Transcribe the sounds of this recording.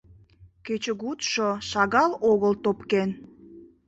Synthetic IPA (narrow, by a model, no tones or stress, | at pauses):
ket͡ɕəɡut̪ʃoʃɑɣɑloɣəlt̪opken